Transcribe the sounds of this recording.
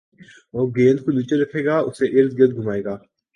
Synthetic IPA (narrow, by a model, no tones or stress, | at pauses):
ɔːɾɡẽːnkoniːt͡ʃeɾɐkʰeːɡaːʊseʔɪɾd̪ɡɪɾd̪̚ɡʱʊmaːeːɡaː